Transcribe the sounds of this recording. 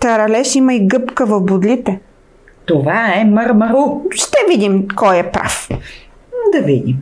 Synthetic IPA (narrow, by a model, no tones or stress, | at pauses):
t̪ɐɾɐlɛʃimɐiɡɤpkəvɐvbud̪lʲit̪ɛ | t̪ovaɛmɐɾmɐɾuʃt̪ɛvid̪imkɔjɛpɾa̰f | d̪ɐvid̪ḭm